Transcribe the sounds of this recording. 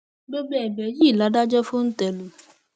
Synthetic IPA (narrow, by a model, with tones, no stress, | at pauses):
ɡ͡bo˦ɡ͡bɛ˦˨ɛ˨bɛ˨˦ji˦˨la˨˦da˦d͡ʒɔ˦fu˦n̩˦tɛ˨lu˨